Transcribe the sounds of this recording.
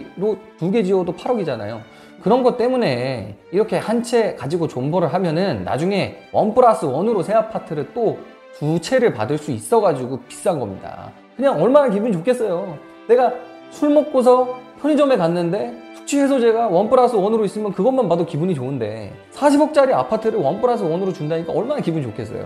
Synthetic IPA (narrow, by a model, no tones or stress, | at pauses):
ɾotuɡe̞d͡ʑiwʌdopʰaɾʌɡid͡ʑana̰jo̰ | kɯɾʌnɡʌt̚t͈e̞mune̞iɾʌkʰe̞hant͡ɕʰe̞kad͡ʑiɡot͡ɕombʌɾɯɭɦamjʌnɯnːa̰d͡ʑuŋe̞wʌnpʰɯɾas͈ʰɯwʌnɯɾosʰe̞apʰatʰɯɾɯt͈o | tut͡ɕʰe̞ɾɯɭpa̰dɯɭs͈uis͈ʌɡad͡ʑiɡopi̥s͈anɡʌmɲida̰ | kɯɲaŋʌɭmanakibuɲit͡ɕokʰe̞s͈ʌjo | ne̞ɡa | sʰuɭmok̚k͈os̬ʰʌpʰjʌɲid͡ʑʌme̞kanːɯnde̞tʰu̥k̚t͡ɕʰiɦe̞s̬ʰʌd͡ʑe̞ɡawʌnpʰɯɾasʰɯwʌnɯɾois͈ɯmjʌnkɯɡʌnmanbadokibuɲit͡ɕoɯnde̞̰ | sʰaɕʰibʌk̚t͡ɕ͈aɾia̰pʰatʰɯɾɯɭwʌnpʰɯɾas̬ʰɯwʌnɯɾot͡ɕundaɲik͈a̰ʌɭmanakibuɲit͡ɕokʰe̞s͈ʌ̰jo̰